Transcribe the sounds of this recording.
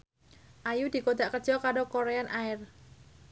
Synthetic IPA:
ʔajud̪̥i̤kod̪aʔkəd̥d͡ʒ̥ɔkaɾokoɾeanʔaɪr

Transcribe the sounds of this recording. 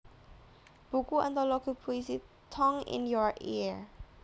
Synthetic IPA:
b̥ukuã̰nt̪alɔkʰupʰuisi | t̪ʰɔ̃ŋɪ̰̃njɔɹʔḭ

